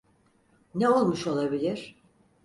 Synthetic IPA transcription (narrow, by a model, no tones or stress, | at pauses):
nɛo̞lˠmuʃo̞lˠabilʲiɾ̥